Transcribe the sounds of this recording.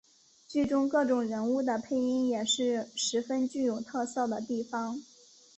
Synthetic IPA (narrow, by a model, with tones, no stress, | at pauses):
t͡ɕy˥˩ʈ͡ʂʊ˥ŋkɤ˥˩ʈ͡ʂʊ˨˩ŋɻə˧˥nu˥˩d̪ə˩pʰe˥˩ɪi˥ŋjɛ˨˩ʂɻ̩˥˩ʂɻ̩˧˥fə˥nt͡ɕy˥˩jo˨˩ʊt̪ʰɤ˥˧sɤ˥˩ʊd̪ə˩t̪i˥˩fɑ˧˥ŋ